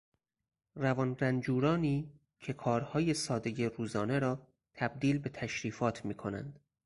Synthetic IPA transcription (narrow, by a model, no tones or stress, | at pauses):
ɾævɒnɾænd͡ʒuːɾɒːniː | cʰe̞kʰɒːɾhɒːje̞sɒːd̪eje̞ɾuːzɒːne̞ɾɒː | t̪ʰæb̚d̪iːlbe̞t̪ʰæʃɾiːfɒːt̪ʰmiːkʰo̞næ̰nd̪̥